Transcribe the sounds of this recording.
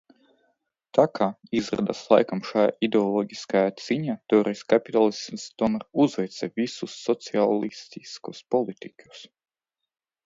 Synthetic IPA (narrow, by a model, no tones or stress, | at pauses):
t̪akʰaːizɾa̰d̪a̰slˠa̰jkamʃajaid̪eɔlˠɔɡʲiskajaːt̪z̥iɲaːt̪ɔɾɛjskapʲit̪alˠismst̪ɔnɾuzvɛjt̪sɛvʲisusːɔt̪sialˠist̪iskuspɔlˠit̪ikʲu̥s